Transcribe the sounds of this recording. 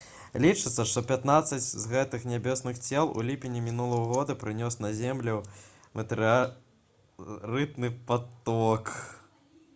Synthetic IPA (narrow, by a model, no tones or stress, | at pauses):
lʲit͡ʂɨt̪sːɐʂt̪ɔpʲat̪nat̪sɐt͡sʲzɣɛt̪ɨxnʲabʲesnɨxt͡sʲɛlˠṵlʲipʲinʲːimʲinulˠɐwɐɣɔd̪ɐpɾɨnʲɔsnɐzʲɛmlʲɛ | mɨt̪ɨ | rɨt̪nɨpat̪ɔk